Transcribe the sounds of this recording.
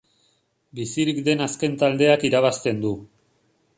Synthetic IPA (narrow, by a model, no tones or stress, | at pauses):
bisiɾikd̪e̞naske̞nt̪ald̪e̞akiɾaβast̪e̞nd̪u